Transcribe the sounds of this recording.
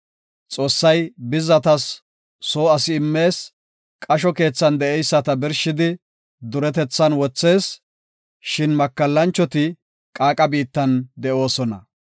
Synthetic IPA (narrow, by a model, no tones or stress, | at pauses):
t͡sʼo̞ːsːɐjbɪzɐt̪ɐsː | o̞ːɐsɪɪmːe̞ːs | kʼɐʃɔke̞ːt͡sːɐnd̪ɛʔɛjsːɐt̪ɐbɪɾʃɪd̪ɪ | d̪ʊɾɛt̪ɛt͡sːɐnwɔt͡sːe̞ːs | ʃɪnmɐkːɐlːɐnt͡ʃːɔt̪ɪ | kʼaːkʼɐbiːt̪ːɐnd̪ɛʔo̞ːsɔnɐ̰